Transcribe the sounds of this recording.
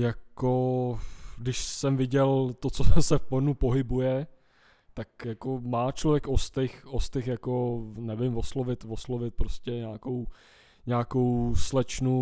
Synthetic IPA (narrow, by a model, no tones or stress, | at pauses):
jako | dɪʃsɛmvɪɟɛlt̪ot͡sosɛfpoɾnupoɦɪbujɛ | t̪akjakomaːt͡ʃlovjɛkʔost̪ɪxost̪ɪxjako̞nɛvɪmvoslovɪt̪voslovɪt̪̚pɾoscɛɲaːkow | ɲaːko̞wslɛt͡ʃnu